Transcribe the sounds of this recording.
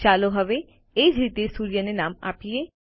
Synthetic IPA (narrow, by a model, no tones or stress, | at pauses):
t͡ʃaːloɦəʋe | eːd͡ʒiːt̪eːsuːɾɪjanenaːma̰ːpɪjeː